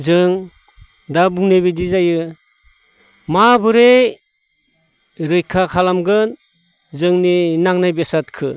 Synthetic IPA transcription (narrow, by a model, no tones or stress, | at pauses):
zɯŋ | dabuŋnebedizajɯ | mabɯɾej | ɾɯjkʰakʰalamɡɯn | zɯŋninaŋnajbesat̚kʰɯ̰